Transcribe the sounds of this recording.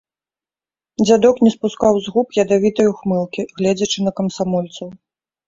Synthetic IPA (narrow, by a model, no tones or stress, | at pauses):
d͡zʲad̪ɔknʲɛspuskawzɣupjɐd̪avʲit̪ɐjuxmɨlˠkʲiɣlʲɛd͡zʲɐt͡ʂɨnɐkɐmsamɔlʲt̪sɐw